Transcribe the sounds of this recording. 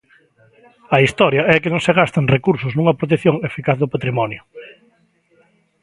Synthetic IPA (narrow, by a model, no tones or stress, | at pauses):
ɐist̪ɔɾjɐɛkɪnõŋseɣast̪aŋrekuɾsʊznũŋɐpɾot̪̬eθjoŋefikaθðʊpat̪ɾimɔnjʊ